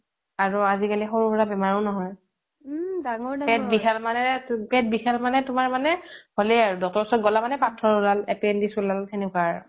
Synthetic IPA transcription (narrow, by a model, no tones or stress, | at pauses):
aɹuazikalixoɹupɔɹabɛmaɹɔ̃nɔɦɔj | daŋɔpɛt̚bixalmanɛpɛt̚bixalmanɛtʊmaɹmanɛholɛjaɹudɔtɔsɔɡɔlamanɛpatʰːɹɔɹulalepiɛndisulalxɛnɛkwaɹ